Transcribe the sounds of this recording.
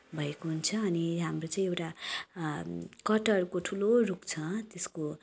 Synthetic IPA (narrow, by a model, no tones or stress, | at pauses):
bʱʌekoɦunt͡sʰʌːniɦamrot͡saĩewʈa | kʌʈʌrkoʈʰulorukt͡sʰʌt̪esko